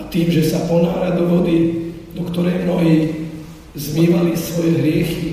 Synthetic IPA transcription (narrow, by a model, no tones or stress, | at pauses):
at̪iːmʒɛsapɔna̰ːɾad̪uʋɔd̪i | d̪ɔkt̪ɔɾɛjmnɔɦiː | zmiːʋalisʋɔjɛɦɾɪɛxi